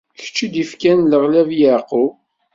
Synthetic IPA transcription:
çə̥t͡ʃːid̪ifkænləʁlævjəʕqu

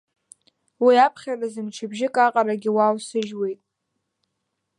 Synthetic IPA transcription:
wiapʰχʲarazɨmt͡ʃʰɪbʒɪkʼaqʼaɾaɡʲiwawsɨʒwe̞jtʼ

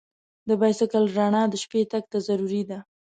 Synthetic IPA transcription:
d̪əbajsɪkəlɾɑɳɑd̪əʃpet̪aɡ̚t̪azaɾuɾid̪a

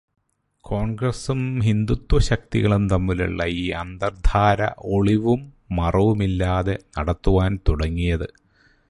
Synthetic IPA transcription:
kʰo̞ːɳɡrɐsumɦind̪ut̪wɐɕɐk̚t̪iɣɐɭumt̪ɐmːilṵɭːɐiːɐnd̪ɐrd̪ʱʰaːɾɐ̰ʔoɭiʋumː | ɐrɐʋumilːaːðe̞nɐɽɐt̪ːuʋaːnt̪uɽɐŋːijɐðɨ

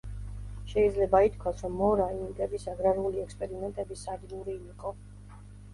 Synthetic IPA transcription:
ʃɛid̪zlɛbait̪̚ʰkʰwasɾɔmːɔɾaiŋɡʼɛbisaɡɾaɾuliɛkspʼɛɾimɛnt̪ʼɛbisaɾilˠuɾiːqʼɔ

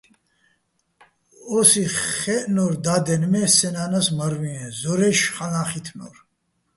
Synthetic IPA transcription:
ɔsiχɛʔnɔɾd̪ad̪ɛnmɛsɛnanasmaɾviɛzɔɾɛʃχanaχit̪ʰnɔ̰ɾ

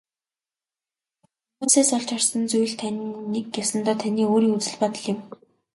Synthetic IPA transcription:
umuːseːsɔɮt͡ɕarsə̆nt͡suj̆ɮt̪ʰannekjawsə̆nt̪aːt̪ʰaniːoːɾiːŋut͡sɘ̆ɮpat̪ə̆ɮɪ̆m

